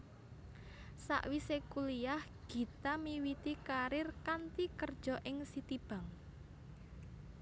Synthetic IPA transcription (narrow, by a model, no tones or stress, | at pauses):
sa̰ʔwisekulijahɡ̥i̤t̪amiwit̪ikaɾɪrkant̪ikərd̥ʒ̥ɔ̤ʔɪŋsit̪ib̥a̤ŋ